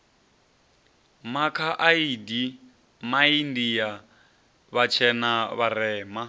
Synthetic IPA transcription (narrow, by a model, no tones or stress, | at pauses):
makʰaʔaidi | maindija | βat͡ʃʰɛnaβaɾɛːma